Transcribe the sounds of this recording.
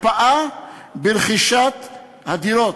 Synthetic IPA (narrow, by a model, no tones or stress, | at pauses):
paʔabelχiʃat̪ | had̪iɾot̪